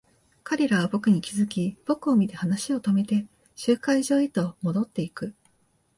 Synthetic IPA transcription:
kaɾʲe̞ɾaβ̞abo̞kɯ̟ɲ̟ikʲizɨkʲib̥o̞kɯ̟o̞mʲit̪e̞hanaɕio̞t̪o̞me̞t̪e̞ | ɕɨːkaiʑo̞ːit̪o̞mo̞d̪o̞t̪ːe̞ikɯ̟

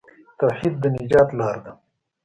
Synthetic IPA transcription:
t̪ɐwħiːd̪̚ːənɪd͡ʒɑːt̪lɑːɾd̪ɐ

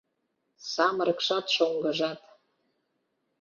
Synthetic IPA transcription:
sɑmɾəkʃɑt̪ʃoŋɡə̆ʒɑt̪

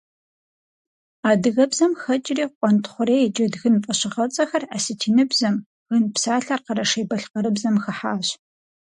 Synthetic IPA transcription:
aːdɨɣɐbzɐmxɐt͡ʃʼɪriːqʷʼɔntʰχʷʊɾeːd͡ʒʼɐdɣɨnpʼɐɕɪʁɐt͡sʼɐxɐraːsɨtʰiːnɨbzɐm | ɣɨnpsaːɬarqəɾɐʂeːbɐɬqɐɾɨbzɐmxɐħaːɕ

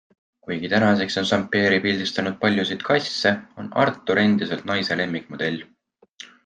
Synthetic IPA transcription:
kujɡ̥it̪ænɑse̞kso̞nsɑmpːˑe̞ːɾipild̪̥ist̪ɑnud̪̚pɑlʲjusid̪̥kʰɑjsːe̞o̞nɑ̰rt̪ːˑuɾe̞nd̪̥ise̞lt̪̚nɑjse̞le̞mːik̚ˑmod̪̥e̞lʲː

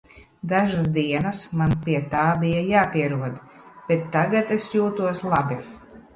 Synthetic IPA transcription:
d̪aʒas̬d̪iɛnasmanpʲiɛt̪aːbijajaːpʲiɛɾuɔd̪ | b̥et̪ːaɡat̪esjuːt̪uɔslˠabi

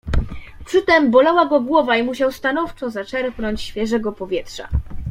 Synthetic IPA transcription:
pʂɘt̪ɛmbɔlawaɡɔɡwɔvaimuɕawst̪anɔft͡ʂɔzat͡ʂɛɾpnɔɲt͡ɕɕfʲjɛʐɛɡɔpɔvʲjɛtʂa̰

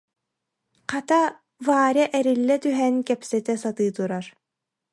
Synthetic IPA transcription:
qat̪a | vaːɾʲjaʔɛɾilːɛt̪yɦɛnkɛpsɛt̪ɛsat̪ɯːt̪uɾaɾ

